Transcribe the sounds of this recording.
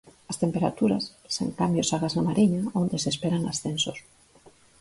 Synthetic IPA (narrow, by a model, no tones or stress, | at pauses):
ast̪empeɾa̰t̪uɾa̰sːḛŋkambjosaɣaznamaɾiɲaond̪esespeɾaŋa̰sθensos